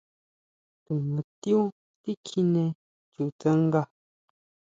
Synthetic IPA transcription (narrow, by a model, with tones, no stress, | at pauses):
tu˨ŋu˨tju˦ | ti˦kʰi˦nɛ˨ | t͡ʃu˨t͡sə˦ŋ̩˦ɡa˦˨